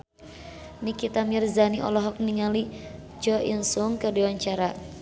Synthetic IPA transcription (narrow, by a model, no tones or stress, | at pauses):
nikit̪amirzaniʔɔ̰lɔɦɔk̚niŋali | d͡ʒɔʔinsuŋkərdiwaɲt͡ʃaɾa